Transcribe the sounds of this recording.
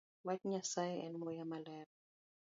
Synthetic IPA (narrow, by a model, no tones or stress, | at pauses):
watɲasaɛ̰nmɔjamalɛɾ